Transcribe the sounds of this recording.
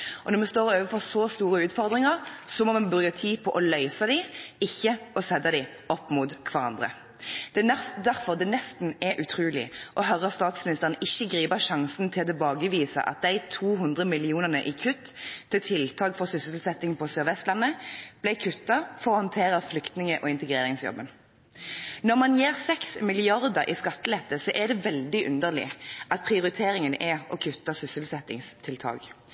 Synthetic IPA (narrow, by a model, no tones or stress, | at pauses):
ʔɔnɔmɛst̪oːʁøːʋəfɔʁsɔst̪uːʁəʉːt̪fɔʁd̪ʁɪŋɑʁsɔmɔmɑnbʁʉɡəʁt̪ʰiːpʰɔʔɔlœʏsɑd̪ɪɪçːəɔsɛd̪ɑd̪ɪ | ɔpːmuːt̪kʰʋɑʁɑ̰nd̪ʁə̰ | d̪̥ɛd̪æʁfɔʁd̪ɛnɛst̪n̩ɛʔʉt̪ʰɾuːlɪ̰ʔɔɦœɾɑst̪ɑːt̪smɪnɪst̪əʁənəʔɪçːəɡʁiːbəʃɑŋsn̩t̪ʰɪlɔt̪ʰɛbɑːɡəʋiːsə̰ʔɑ̰t̪̚d̪æɪt̪ʰuːɦʉnd̪ʁəmɪlɪuːnəʁnəʔɪkʰʉt̪ʰːɪlt̪ʰɪlt̪ʰɑːɡfɔʁsʏsəlsɛt̪ɪŋpʰɔsøːʁʋɛst̪lɑnːəb̥læɪkʰʉt̪ːɑfɔʁɔhɔnt̪ʰeːʁəʁflʏkt̪nɪŋəʔɔɪnt̪əɡʁeːʁɪŋsjɔ̰bːən | nɔʁmɑnjeːʁsɛksmɪlɪɑʁd̪əɾʔɪ̰skɑt̪ːəlɛt̪ːəsɔʔɛd̪ɛʋɛld̪ɪʔʉ̰nd̪əʁlɪ̰ʔɑt̪̚pʰʁɪʊʁɪt̪ʰeːʁɪŋənʔɛʔɔkʰʉt̪ːɑsʏsəl̩sɛt̪ɪŋst̪ʰɪlt̪ʰɑ̰ːɡ